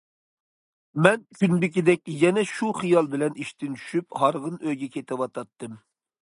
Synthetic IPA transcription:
mɛnkʲynbɪkʲid̪ɛk̚ʲjɛnɛʃuχijɑlˠbɪlɛniʃt̪ɪnt͡ʃʰy̥ʃyphɑɾʁənøjɡʲɛkʲʰet̪ɪwɑt̪ʰɑt̪ːɨm

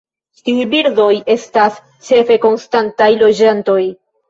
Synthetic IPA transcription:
tiujbiɾdo̞je̞stas | t͡ʃe̞fe̞ko̞nstantajlo̞d͡ʒanto̞j

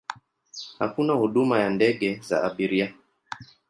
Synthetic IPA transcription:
ha̰kunahuɗumajandɛɠɛza̰aɓiɾia

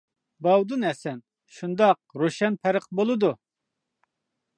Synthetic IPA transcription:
bɑwd̪unɦɛsɛn | ʃund̪ɑq̚ɾoʃɛnpʰæɾəqbolˠɨd̪u

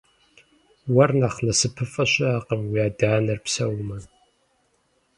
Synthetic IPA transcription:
wɐrnaχnɐsɨpʰɨfʼɐɕʼɐaːqəmwiaːdaːnɐrpsɐwmɐ

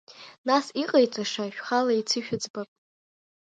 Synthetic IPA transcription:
nasiqʼajt͡sʷʼaʂaʃᶣχalait͡sʰɨʃᶣʊd͡zbapʼ

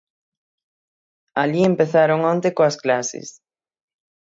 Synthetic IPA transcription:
aʎiempeθaɾoŋõnt̪ekoɐsklasɪ̰s

